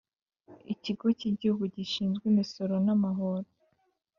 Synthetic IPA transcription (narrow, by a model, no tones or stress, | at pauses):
ḭciɡo̞ciɟihuɡuɟiʃiːnzɡwiːmiso̞ɾo̞namaɦoɾo